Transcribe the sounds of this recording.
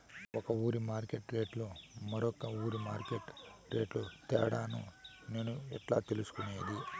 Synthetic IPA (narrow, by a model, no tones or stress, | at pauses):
ɔkɐuːɾimaːɾkeʈɾe̞ːʈloːmɐɾɔkɐuːɾimaːɾkeʈɾeːʈloːt̪ɛ̰ːɽaːnṵ | ne̞ːnuɛʈla̰ːt̪elusu̥kuneːd̪i